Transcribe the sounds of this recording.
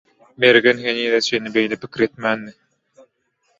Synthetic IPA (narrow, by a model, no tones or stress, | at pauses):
mɛɾɡɛnɦeniːðɛsenibejlɛpikiɾɛt̪̚mæːnːi